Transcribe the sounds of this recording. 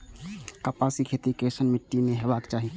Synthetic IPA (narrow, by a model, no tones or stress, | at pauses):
kəpaːsikʰeːt̪ikeːʃənmɪʈːimẽɦɛʋaːkt͡ʃaːɦi